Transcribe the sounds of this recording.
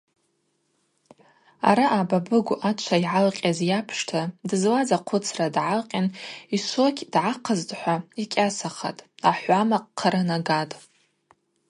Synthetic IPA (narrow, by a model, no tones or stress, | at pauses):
a̰ɾaʔababɨɡʷʔat͡ʃʷʰaiʕalqʲʼazjapʰʂtʰadɨzlazaqʷʰʊt͡sʰradʕalqʲʼaniʃʷokʰʲdʕaqʰazdħʷaikʲʼasaχa̰tʼaħʷamaqʼqʰːaɾanaɡatʼ